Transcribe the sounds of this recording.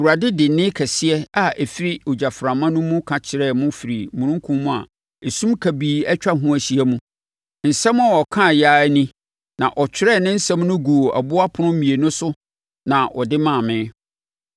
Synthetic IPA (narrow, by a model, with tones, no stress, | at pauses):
wu˨ɾa˨dɪ˦dɪ˨nɪ̃˦kʰɛ˨sɪ˦ɛ˦a˨ʔɛ˨fi˦ɾi˦o˨d͡ʑa˨fɾã˨mã˦nʊ̃˦mʊ̃˦kʰã˨t͡ɕʰɪ˨ɾɛ˦˨mʊ̃˦fi˨ɾi˨mũ˨ɾũ˦ŋ˦kʰũ˦mũ˦a̰˨ | e˨sũ˦mkʰæ˨biː˨˦ɛ˦t͡ɕᶣa˦ɦũ˦æ˨ɕi˦æ˦mũ˦ | n̩˨sɛ̃˦m˦a˨wɔ˨kʰã˦˨jaː˦nĩ˦ | nã̰˨ʔɔ˨t͡ɕʰᶣɪ˦ɾɛ˦˨nɪ̃˦n̩˦sɛ̃˦m˦nʊ̃˦ɡu˨o˨ʔa̰˨bʊ˦a˦pʰʊ˦nʊ̃˦mĩ˨e˨nʊ̃˦sʊ˦ | nã˨wɔ̰˨dɪ˦mã˦˨mɪ̃˦